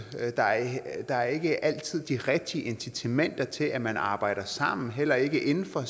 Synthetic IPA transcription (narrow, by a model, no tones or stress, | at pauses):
d̥ɑ̈d̥ɑ̈æɐe̝ɡ̥əʔæl̰t͡sʰið̰ˠd̥iʁɛɡ̥̚d̥iəʔe̝nsʰit͡sʰemen̰d̥ɐt͡sʰe̝lʔæmænɑ̈ːb̥ɑ̈ɪ̰ɾ̥ɐsɑ̈m̰n̩ɦel̰ɐe̝ɡ̥əʔe̝nn̩fɒ̽